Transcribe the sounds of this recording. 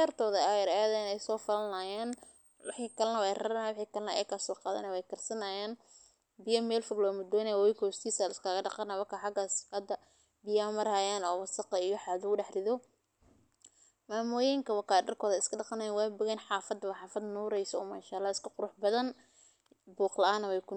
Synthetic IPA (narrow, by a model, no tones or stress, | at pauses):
ɛrt̪ʰɔːðɐajɐɾɐjɐðɐɪnɛjsɔːfɐlɐnaːjaːn | wɑħiːkʰɐlɐnɐwɛjrɐɾnawɑħiːkʰɐlɐnɐ̰jɛkʰaːsɔːqɑːðɐ̰nɛwɛjkʰɐrsɐnaːjaːn | bɪjɐmɛːlfʊɡlɔːmʊd̪ɔːnɐjwːjkʰɔːst̪ʰiːsaːlɪskʰaːɣɐɖɑqɑnɐwɐkʰɐħɑɡaːsɐd̪ɐ | bɪjaːmɐɾaːjaːnɔːwɐsɐqɑijɔħɑːðʊɖɛħrɪðɔ | maːmʊjɛŋkʰɐwɑkaːɖɐrkʰɔːðɐɪskʰɐɖɑqɑnajaːwaːbʊɣɛnħɑːfɐd̪wɐħɑːfɐd̪nuːɾɛjsɔɔːmaːʃaːlːaːɪskʰɐqʊɾʊħbɐðɐn | buːqlɐʔaːnːɐwɛjkʰʊ